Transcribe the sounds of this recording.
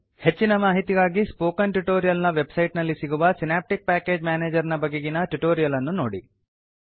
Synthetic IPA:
he̞t͡ʃːinɐmaːɦit̪iɡaːɡispoːkɐnʈuʈoːɾijɐlnɐʋe̞bsɐjʈnɐlːisiɡuʋɐsinaːp̚ʈik̚paːke̞ːd͡ʒmjaːneːd͡ʒɐɾnɐbɐɡeɡinɐʈuʈoːɾijɐlɐnːunoːɽḭ

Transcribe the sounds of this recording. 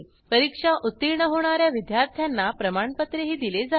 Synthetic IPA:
pəɾikʂaʔut̪ːiɾɳəɦoɽ̃aɾjaʋid̪jaɾt̪ʰjanːapɾəmaɳpət̪ɾeɦiːd̪iled͡za

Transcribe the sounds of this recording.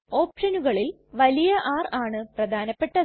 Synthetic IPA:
o̞ːpʂɐnuɣɐɭil | ʋɐlijɐʔaːraːɳɨprɐd̪ʱaːnɐpːe̞ʈːɐð

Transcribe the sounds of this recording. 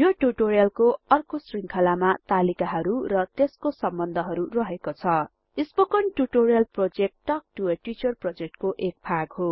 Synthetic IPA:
joʈuʈorijʌlkoʌrkosriŋkʰʌlamat̪alikaɦʌɾurʌt̪eskosʌmbʌnd̪ʱʌɦʌɾurʌɦekot͡sʰʌ | ispokʌnʈuʈorijʌlprod͡zek̚ʈʈʌk̚ʈueʈit͡sʌrprod͡zek̚ʈkoʔek̚pʰaɡɦo

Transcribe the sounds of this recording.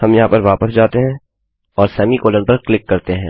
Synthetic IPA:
hɐmjɐɦãpɐɾʋaːpəsd͡ʒaːt̪eɦɛ̃ː | ɔːɾsɛːmikoːlə̃npɐɾklɪkːɐɾt̪eɦɛ̃ː

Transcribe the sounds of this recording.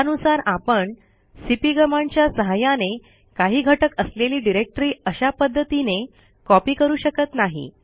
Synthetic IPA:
anusaɾapəɳ | sipiːɡəmaɳt͡ɕjasəɦajane | kaɦiːɡʱəʈəkəsleliːɖiɾek̚ʈɾiːəɕapəd̪ʱːət̪ine | kɔpiːkəɾuːɕəkət̪naɦḭ

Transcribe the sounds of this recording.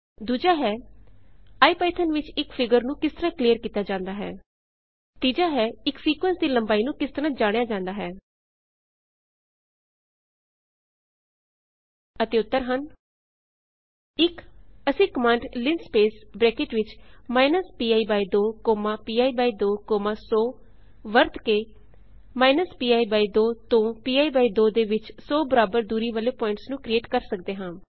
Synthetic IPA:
d̪uːd͡ʒaːɦɛː | aːiːpɛːɪt̪ʰənʋɪt͡ʃɪkpʰɪɡəɾnũːkɪst̪əɾãːkliːəɾkiːt̪aːd͡ʒãːnd̪aːɦɛ̰ː | t̪iːd͡ʒaːɦɛːɪksiːkʋə̃nsd̪iːləmbaːiːnũːkɪst̪əɾãːd͡ʒaːɽ̃jaːd͡ʒãːnd̪aːɦɛː | ət̪eːʊt̪ːəɾɦən | ɪkəsĩːkəmãːɳɖlɪnspeːsbɾɛːkeːʈʋɪt͡ʃmaːɪnəspiːaːiːbaːid̪oːkoːmãːpiːaːiːbaːiːd̪oːkoːmãːsɔː | ʋəɾt̪keː | maːɪnəspiːaːiːbaːiːd̪oːt̪õːpiːaːiːbaːiːd̪oːd̪eːʋɪt͡ʃsɔːbəɾaːbəɾd̪uːɾiːʋəleːpɔːɪ̃ɳʈsnũːkɾieːʈkəɾsək̚d̪eːɦãː

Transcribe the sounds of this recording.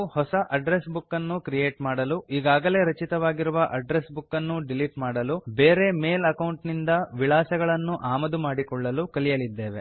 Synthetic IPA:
hɔsɐʔɐɖɾesbukːɐnːukɾijeːʈmaːɽɐluiːɡaːɡɐle̞ːɾɐt͡ʃit̪ɐʋaːɡiɾuʋɐʔɐɖɾesbukːɐnːuɖiliʈmaːɽɐlube̞ːɾe̞me̞ːlɐkɐwɳʈnind̪ɐʋiɭaːsɐɡɐɭɐnːuʔaːmɐd̪umaːɽikɔɭːɐlukɐlijɐlid̪ːe̞ːʋe̞

